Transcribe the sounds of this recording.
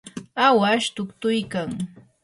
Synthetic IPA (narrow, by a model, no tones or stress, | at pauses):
awaʃt̪ʊkt̪ʊjkaŋ